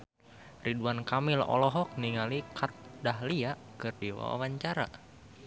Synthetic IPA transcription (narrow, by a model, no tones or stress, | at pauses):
riduankamɪlɔ̰lɔɦɔk̚niŋalikʰat̪̚daɦliaʔkɨrdiwa̰wa̰waɲt͡ʃaɾa̰